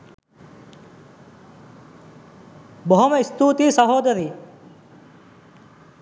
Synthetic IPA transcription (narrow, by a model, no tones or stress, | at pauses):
boɦomɐist̪uːt̪iːsɐɦoːd̪ɐɾiː